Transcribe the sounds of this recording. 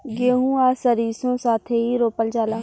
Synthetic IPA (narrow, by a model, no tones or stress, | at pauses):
ɡeːɦũːaːsəɾiːsõːsaːt̪ʰeɦiːɾoːpəld͡ʒaːlaː